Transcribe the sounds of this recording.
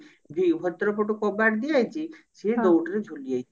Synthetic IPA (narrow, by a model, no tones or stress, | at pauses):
bʱibʱɔt̪ɾɔp̬ɔʈukɔbaɾd̪iajt͡ʃʰised̪owʈɔɾed͡ʒʱuliaj